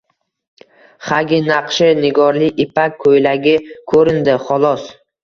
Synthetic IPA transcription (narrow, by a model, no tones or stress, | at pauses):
χaɡʲɪnɑqʃɪnɪɡɒɾlɪɪpʰakʲʰːɵjlaɡʲɪkʰɵɾɪnd̪ɪχɒlˠɒs